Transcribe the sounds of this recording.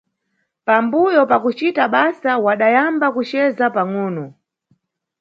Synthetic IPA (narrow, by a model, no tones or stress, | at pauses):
pambujɔpakut͡ʃitaɓasawaɗajambakut͡ʃɛzapaŋuːnɔ